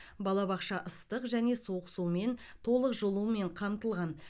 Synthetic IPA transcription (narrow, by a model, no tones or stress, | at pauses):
bɑlˠɑbɑqʃɑʔəst̪əqʒæne̞soqəsume̞n | t̪ʰo̞lˠəqʒolˠume̞ɴqʰɑmt̪əlˠʁɑn